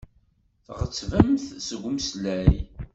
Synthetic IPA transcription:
θʁət͡sːvəmθsəɡʷʊmslæj

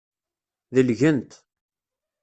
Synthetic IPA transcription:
ðəlʝənt̪

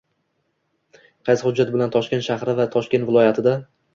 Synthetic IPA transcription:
qʰɑjshʊd͡ʒːat̪bɪlant̪ʰɒʃkʲent̪ʃahɾɪvat̪ʰɒʃkʲe̞nt̪vɪlˠɒjat̪ʰɪd̪a

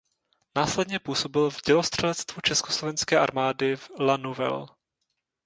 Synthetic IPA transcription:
naːslɛdɲɛpuːso̞bɪlvɟɛlost̪r̝̥ɛlɛt͡st̪vut͡ʃɛskoslo̞vɛnskɛːʔa̰ɾmaːdɪvlanuvɛ̰l

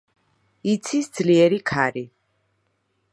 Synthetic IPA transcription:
it̪sʰisd̪zliɛɾikʰaɾi

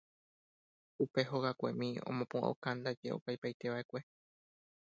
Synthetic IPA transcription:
upe̞ɦoɣakʷe̞mĩõ̞̰mõpũa̰o̰kand̪ad͡ʒe̞o̰pajpajt̪e̞ʋae̞kʷe̞

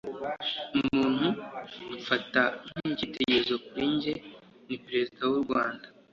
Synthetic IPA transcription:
umuːn̥huufatan̥iɟiteɟezo̞kuɾiːɲɟe̞ | nipɾe̞zidawuɾɡwaːnda

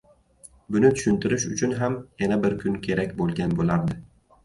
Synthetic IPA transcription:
bʊnɪt̪ʰʊ̥ʃʊnt̪ɪɾɪʃʊt͡ʃʰʊnɦamjanabɪɾkʰʊnkʲʰe̞ɾakʲbolˠɡʲanbolaɾd̪ɪ

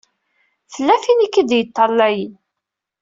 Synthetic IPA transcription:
θəlːæfinikːəd̪jət̪ˤːɑlːæjən

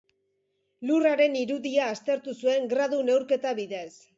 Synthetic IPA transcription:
luraɾe̞niɾuðiaːst̪e̞ɾt̪usue̞ŋɡɾaðune̞wɾke̞t̪aβiðe̞s

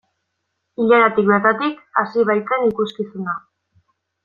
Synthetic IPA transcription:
iʎaɾat̪ik̚βeɾt̪at̪ikasiβ̞ajt͡s̪enikuskisuna

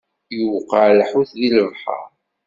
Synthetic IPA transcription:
juwqːɑʕlħuθðiləvˤħɑ̰ɾ

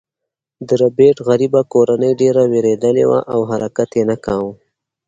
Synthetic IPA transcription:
d̪əɾabeʈɣaɾibakoɾanəjɖeɾaweɾed̪əlḛwa̰ʔawɦaɾakat̪jenakaw

